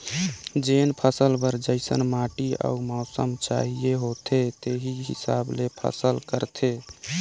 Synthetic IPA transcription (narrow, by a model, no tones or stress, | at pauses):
d͡ʒenpʰəsəlbəɾd͡ʒəɪsə̰nmaʈia̰umɔːsə̰mt͡ʃa̰ɦijeɦot̪ʰet̪eɦiɦḭsa̰blepʰə̰səlkəɾt̪ʰe